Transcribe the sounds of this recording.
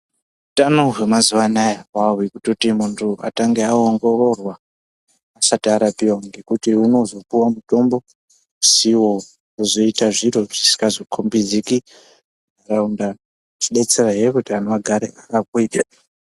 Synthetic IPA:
utanoɦwe̞mazuwanajawawikutotimuntʰua̰taŋɡeaoŋɡo̞ro̞rwaː | satiaɾapiwaŋɡe̞kutiuno̞zo̞puwamuto̞mbo̞ | usiwo | kuzo̞itaʐiro̞ʐ̥isi̥kazokʰombid͡ziki | araunda | t͡ʃiɗe̞t͡seraɦiekutianoʋaɡʱaɾḛakakuiːta

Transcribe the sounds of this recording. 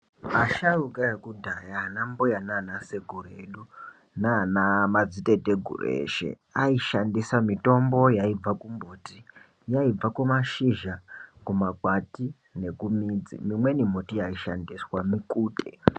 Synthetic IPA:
aʃarukajekudʱajanambujananaseɡʱuɾḛɗu | nanamad͡zite̞teɡʱṵr̰ḛːʃe̞̰ | aiʃandisamito̞mbo̞jaib͡vakumbuti | jaib͡vakumaʃiʒakumakwati | ne̞kumiːd͡zḭmimwe̞nim̤utijaiʃa̰ndiswamikuːtḛ

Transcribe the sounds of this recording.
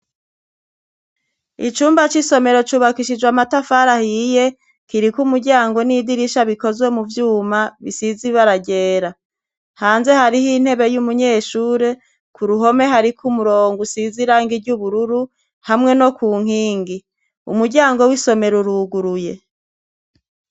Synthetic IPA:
it͡ʃuːmbat͡ʃiso̞me̞ɾo̞t͡ʃuβakiʃid͡ʒwamatafaɾahije̞ | kiɾikumuɾɟaːŋɡo̞niːdiɾiʃaβiko̞zwe̞muvjuːmaβisiziβaɾaɟe̞ːɾa | haːnze̞haɾihin̥he̞βe̞jumuɲe̞ːʃuːɾe̞ | kuɾuɦo̞me̞ɦaɾikʰumuɾoːŋɡusiziɾaːŋɡiɾɟuβuɾuɾu | hamŋe̞no̞kuːŋ̥hiːŋɡi | ṵmuɾɟaːŋɡo̞wiso̞me̞ɾuɾuɡuɾuje̞

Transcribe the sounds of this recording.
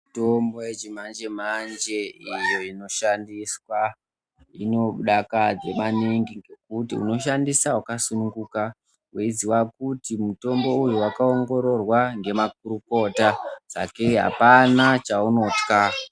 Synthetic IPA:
mtombo̞jet͡ʃimand͡ʒem̤and͡ʒe̞ijo̞ino̞ʃandiswa | ino̞ɓuɗakad͡ze̞maniŋɡiŋɡe̞k̚utiṵno̞ʃandisawakasunuŋɡuka | wiiziwakutimuto̞mbo̞ujuwakao̞ŋɡo̞ɾo̞rwaŋɡe̞mak̚uɾuko̞tad͡za̰ke̞ɦa̰panat͡ʃauno̞tka

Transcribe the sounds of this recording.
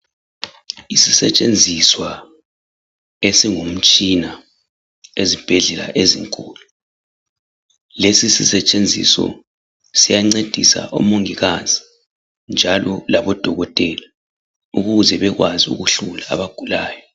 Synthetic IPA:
isisɛt͡ʃʼend͡zʱiswa | esiŋum̩t͡ʃʼina | ezib̥ʱɛɮɛla̰ʔeziŋkʼuːlu | lesisisɛt͡ʃʼend͡zʱḭsɔ̰ | sijaŋ͡ǀed̥ʱisa̰ʔo̰moŋiɣazʱi | nd͡ʒʱalɔlaβɔd̥ʱɔɣɔtʼɛla | uɣuzɛβɛɣwaziṵɣuɬula̰ːβaɡ̥ʱulaːjɔ

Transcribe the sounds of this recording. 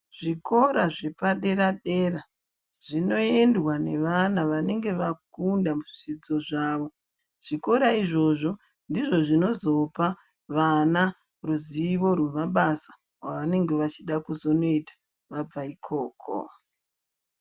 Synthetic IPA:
ʐ̥iko̞ɾaʐe̞paɗe̞ɾaɗe̞ːra | ʐ̥ino̞e̞ndwane̞ʋanaʋane̞ŋɡe̞ʋakundamuʐid͡zo̞ʐaːʋo̞ | ʐ̥iko̞ɾaiʐo̞ʐo̞ | ndiʐo̞ʐino̞zo̞pa | ʋana | ruziʋo̞rwe̞maɓasḁ | waʋane̞ŋɡe̞ʋat͡ʃiɗakuzo̞no̞itḁ | ʋab͡vaikʰoːkʰo̰

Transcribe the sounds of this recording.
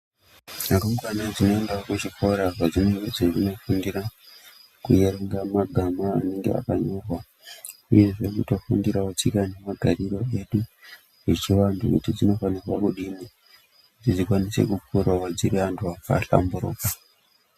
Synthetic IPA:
nakaŋɡwanad͡zino̞e̞ndaokut͡ʃiko̞ɾaʐad͡zineŋɡed͡zeʐino̞fundiɾa | kuje̞ɾeŋɡamaɡʱama̰ːne̞ŋɡḛa̰kaɲo̞rwa | uje̞ʐe̞kuto̞fundiɾawat͡ʃikane̞maɡʱariro̞e̞ɗu | ʐet͡ʃiʋandṵkṵtid͡zino̞fanirwakuɗimi | kutid͡zikwanisḛkukurawad͡ziɾiantʰuaka̰ɬa̰mbuɾoːka

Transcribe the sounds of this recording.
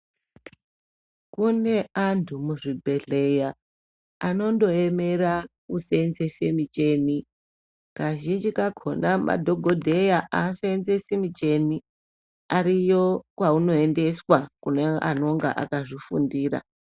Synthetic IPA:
kune̞antʰumuʐibʱe̞ɮe̞ja | ano̞ndo̞eme̞ɾa | usenze̞semit͡ʃe̞ni | kaʒind͡ʒikakʰonamʔa̰dʱo̞ɡʱodʱe̞jaʔasenze̞semit͡ʃe̞ni | aɾijokwauno̞ende̞swakuneʔa̰no̞ŋɡa̰ʔa̰kaʐifṵndiːra̰

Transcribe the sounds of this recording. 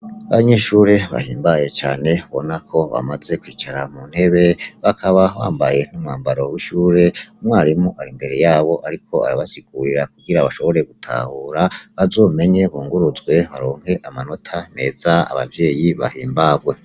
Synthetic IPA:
aβaɲeʃuːɾe̞βa̰hiːmbaje̞t͡ʃaːne̞βo̞nakʰo̞βa̰maze̞kwiːt͡ʃaɾamuːnhe̞βe̞βakʰaβawa̰ːmbaje̞n̥umŋaːmbaɾo̞wiʃuːɾe̞umwaːɾimuʔaɾimbe̞ɾe̞jaːβo̞ʔaɾikʰo̞aɾiβasiɡ̥uɾiɾak̚uɡiɾaβaʃo̞βo̞ɾe̞ɡutʰa̰huɾaβazo̞ːme̞ɲe̞βuːŋɡuɾuzɡwe̞βaɾoːŋhe̞ʔamano̞tʰane̞ːzaa̰βa̰vje̞ːjiβa̰hiːmbaːɡwe̞

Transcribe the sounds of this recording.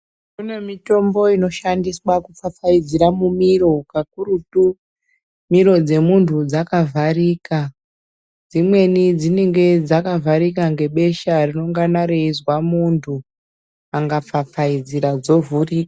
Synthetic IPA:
kunemito̞mbo̞ino̞ʃandiswakup͡fap͡faid͡ziɾamumiɾo̞kakuɾutu | miɾo̞d͡ze̞muntʰud͡zakavʱariːka | d͡zimwe̞nid͡zine̞ŋɡe̞d͡zakavaɾikaŋɡe̞ɓe̞ʃarino̞ŋɡanaɾeizwamuntʰu | aŋɡap͡fap͡faid͡ziɾad͡zo̞vuriːk

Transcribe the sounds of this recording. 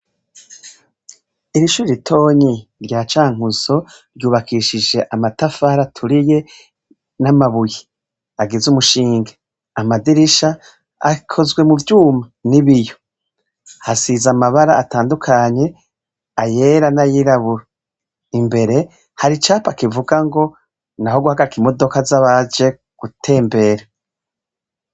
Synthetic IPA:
iɾiʃuiɾitʰo̞ːɲiɾɟaːt͡ʃaːŋ̥uzo̞ | ɾɟuːβakʰiʃid͡ʒe̞ʔamatafaɾatʰuɾije̞ | namaβuji | aɡezumuʃiːŋɡḁ | amadiɾiʃa̰ː | kʰo̞zɡwe̞muvjuːmaniβijo̞ | hasizamaβaɾaataːndukʰaɲe̞ | aje̞ːɾanajiɾaβuɾa | imbe̞ɾe̞ | haɾit͡ʃaːpakivuɡaŋɡo̞ | naho̞ɡuhaɡaɾikimo̞do̞kazaβad͡ʒe̞ | ɡ̥utʰe̞ːmbe̞ɾa

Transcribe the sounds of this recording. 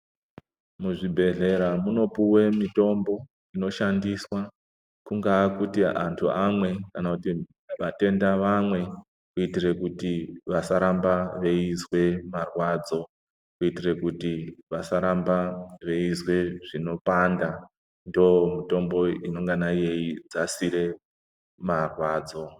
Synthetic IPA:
muʐibʱe̞ɮe̞ɾamuno̞puwe̞mito̞mbo̞ | ino̞ʃandiswa | kuŋɡakutia̰ntʰuamwe̞kanakuti | ʋate̞ndaʋamwe̞ | kuitire̞kutiʋasaɾambaʋe̞izwe̞marwaːd͡zo̞ | kuitire̞kutiʋasaɾambaʋe̞izwe̞ʐino̞panda | ndomito̞mbo̞ino̞ŋɡanaje̞id͡zasiɾe̞ | marwaːd͡zo̞

